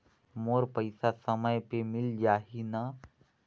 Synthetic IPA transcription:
moːɾpəɪsasɐməjpemɪld͡ʒaːɦina

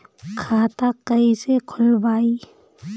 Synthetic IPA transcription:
kʰaːt̪akəisekʰʊlbaːi

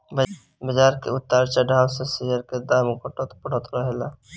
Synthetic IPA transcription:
b | bəd͡ʒaːɾkḛʊt̪ːaːɾt͡ʃaɖʱaːwsesijəɾked̪aːmkoʈət̪pəɽ̤ət̪ɾəɦelaː

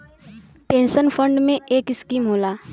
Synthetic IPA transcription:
pẽːnʃənfʰə̃ɳɖmẽeːkɪskiːmɦoːlaː

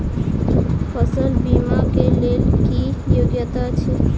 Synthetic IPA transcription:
pʰəsəlbimakelelkijoɡjət̪at͡ʃʰi

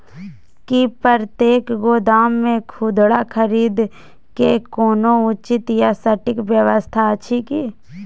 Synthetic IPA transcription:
kipəɾt̪jeːkɡoːd̪aːmːẽkʰud̪ɽakʰəɾiːd̪ | kekoːnõʊt͡ʃɪt̪jasəʈɪkʋjəʋəst̪ʰaət͡ʃʰikiː

